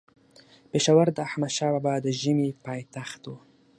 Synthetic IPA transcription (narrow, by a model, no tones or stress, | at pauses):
peʃawaɾd̪əaħmad̪ʃɑbabad̪əʒəmipɑjt̪axt̪wu